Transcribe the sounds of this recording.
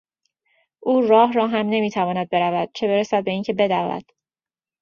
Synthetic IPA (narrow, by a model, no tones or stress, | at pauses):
ʔuːrɒːɦrɒːɦæmne̞miːt̪ʰævɒːnæd̪̚be̞ɾævæd̪̥̚t͡ʃʰe̞be̞ɾesæd̪̚be̞iːŋcʰe̞be̞d̪ævæ̰d̪̥